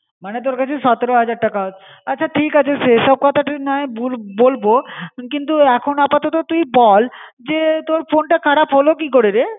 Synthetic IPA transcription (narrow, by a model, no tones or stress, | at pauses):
manet̪̬oɾkat͡ɕʰeʃɔt̪eɾoɦad͡ʑaɾʈakaotː | atːɕʰaʈʰikat͡ɕʰeʃeʃɔb̚kɔt̪ʰaʈinaebulbolbokint̪uɛkʰonoapat̪ot̪ot̪ujbɔl | d͡ʑet̪oɾfonʈakʰaɽapɦolokik̬oɾeɾe